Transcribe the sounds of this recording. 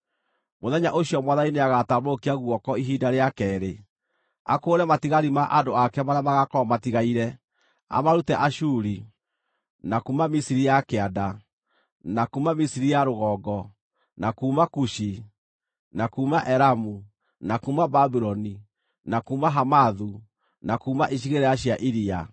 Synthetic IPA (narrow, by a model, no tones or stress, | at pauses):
moðɛɲaʔoɕiɔmwaðaineaɣataβokiaɣwɔkɔiɦidaɾeakɛːɾe | a̰koːɾɛmatiɣaɾimaʔadoakɛmaɾjamaɣakɔmatiɣaiɾɛ | a̰maɾutɛʔaʃuɾi | nakuːmamisiɾijakeada | nakuːmamisiɾijaɾoɣɔːɡɔ | nakuːmakuʃi | nakuːmaʔɛɾamu | nakuːmababiɾɔni | nakuːmaɦamaðu | nakuːmaʔiɕ̬iɣeɾɛaɕiaʔiɾia